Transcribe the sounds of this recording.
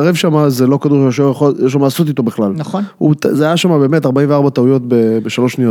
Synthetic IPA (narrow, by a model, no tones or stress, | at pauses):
aʁevʃamazelo̞kad̪uʁʃjoʃojeʃ̬lamalaso̞t̪it̪o̞biχlalnṵt̪zeajaʃamabe̞ːme̞t̪aʁbaimveaʁbat̪aujo̞t̪̚bebeʃaloʃnijot